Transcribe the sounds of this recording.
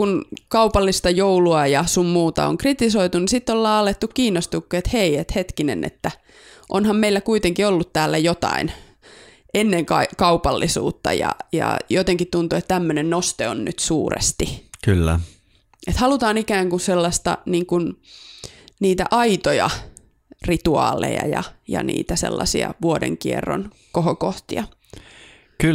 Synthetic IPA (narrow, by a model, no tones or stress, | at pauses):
kunkɑupɑlːist̪ɑjouluɑjɑsummuːt̪ɑ̰o̰ŋkrit̪isoit̪unisit̪ːolːɑːɑlˑet̪ːukkiːnːost̪ukːuet̪heiet̪het̪kinḛnḛt̪ːæ | ʔonhɑmmeilːækuit̪eŋkiolːut̪t̪æːlːæjot̪ɑ̰in | enːeŋkɑikɑupɑlːisṵːt̪ːɑ̰jɑ̰jɑ̰jot̪eŋkit̪t̪unt̪uet̪t̪æmːønennost̪eonnyt̪suːrḛst̪ikylːæ | et̪hɑlut̪ɑːnikæːŋkunselːɑst̪ɑ̰niːŋkun | niːt̪æʔɑit̪ojɑ | rit̪uɑ̰ːlḛjɑ̰jɑjɑ̰nḭːt̪æsḛlːɑsḭɑ̰ʋuodḛŋkierːo̰n | kohokoht̪iɑ | k